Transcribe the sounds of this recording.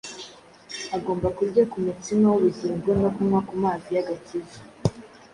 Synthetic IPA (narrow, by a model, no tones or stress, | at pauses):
aɡo̞ːmbakuɾɟakumutimawuβuɟiɾimɡumɡakumakumaːzijaɡatizḁ